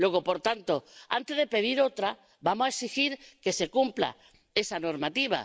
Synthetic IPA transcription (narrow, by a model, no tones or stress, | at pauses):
lwe̞ɣ̞o̞po̞ɾt̪ant̪oa̰nt̪e̞zðe̞pe̞ðiɾo̞t̪ɾa | bamosaeksixiɾke̞se̞kumpla̰ | e̞sanoɾmat̪iβ̞a̰